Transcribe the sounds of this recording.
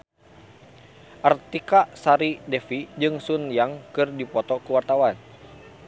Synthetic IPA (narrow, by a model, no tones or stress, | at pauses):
ʔart̪ikasaɾidɛfid͡ʒɨŋsunjaŋkɨrdipɔt̪ɔkuwart̪awan